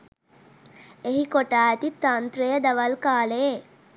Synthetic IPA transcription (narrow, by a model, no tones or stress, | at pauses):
eɦikoʈaːɛt̪it̪ːant̪ɾejəd̪aʋɐlkaːleje